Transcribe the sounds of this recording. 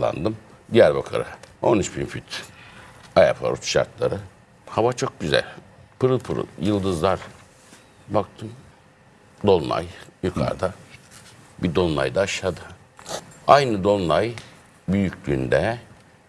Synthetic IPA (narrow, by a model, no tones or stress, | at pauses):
lˠa̰nd̪ɯmd̪ijæɾbakʰaɾɯ̰o̞̰nyt͡ʃbinfit̪ʰ | ajapʰa̰ɾut͡ʃʃa̰ɾt̪lˠa̰ɾɯ | havat͡ʃʰok̚ɟyzæ̰lʲ | pʰɯɾɯlˠpʰɯɾɯ̰jɯlˠd̪ɯzlˠaɾ | bak̚t̪ʰɯm | d̪olˠlˠa̰jjykʰa̰ɾd̪a | bid̪o̞nlˠa̰jd̪aːʃˠad̪ɯ | ajnɯd̪o̞nlˠaj | byjycʰʲlʲyːnd̪ɛ